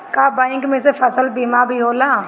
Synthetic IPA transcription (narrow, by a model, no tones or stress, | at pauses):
kaːbãːɪ̃ŋkmẽːsefʰəsəlbiːmabʱiɦoːlãː